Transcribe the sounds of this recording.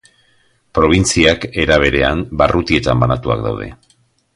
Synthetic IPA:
pɾo̞β̞int͡siake̞ɾaβ̞e̞ɾe̞ambarʔut̪ie̞t̪ambanat̪ua̰k̚d̪a̰wðe̞̰

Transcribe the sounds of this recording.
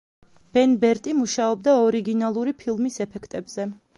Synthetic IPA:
b̥ɛnbɛɾt̪ʼimuʃaɔb̚d̪aɔɾiɡinalˠuɾipʰilˠmisɛpʰɛkʰt̪ʼɛbz̥ɛ

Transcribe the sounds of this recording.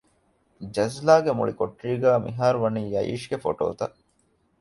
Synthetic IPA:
d͡ʒɐzlaːɡemṵɭikoʈriːɡæːmḭɦaːɾuʋɐniːjɐjḭːʃɡefo̰ʈo̰ːt̪ɐʔ

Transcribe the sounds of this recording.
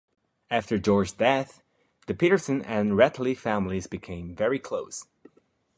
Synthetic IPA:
æftə˞d͡ʒɔɹd͡ʒdɛθ | ðɨpʰiɾə˞sɨ̃nɨ̃nɹɛtʰˡl̩ifæ̃mlizbɨkʰẽɪ̃ɱvɛɹikʰl̥oʊs

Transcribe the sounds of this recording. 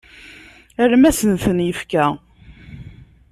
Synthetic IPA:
əɾmæsənθənjəfkæ

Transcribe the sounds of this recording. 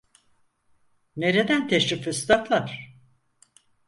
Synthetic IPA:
neɾed̪ænt̪ʰeʃɾifist̪ʰaflˠaɾ̥

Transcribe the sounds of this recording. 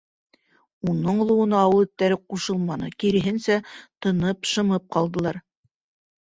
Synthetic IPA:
unɤɴlˠɤ̆wɤ̆nɤɑwɤlˠɘ̆t̪ːæɾɘquʃɤlˠmɑnɤ̰kiɾɘ̆ɦɘnsæt̪ɤ̆nɤpʃɤ̆mɤp̚qɑlˠd̪ɤ̆lˠɑɾ

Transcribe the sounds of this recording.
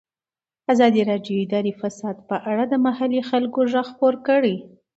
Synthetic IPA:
azɑd̪iɾɑɖjoɪd̪ɑɾifasɑd̪pəʔaɽad̪əmahalixalkoʒaɣxpoɾkəɽi

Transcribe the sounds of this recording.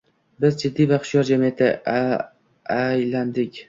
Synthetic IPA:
bɪzd͡ʒɪd̪ːivaqʰʊ̥ʃjɒɾd͡ʒamiet̪ʰɪ | ajland̪ɪkʲ

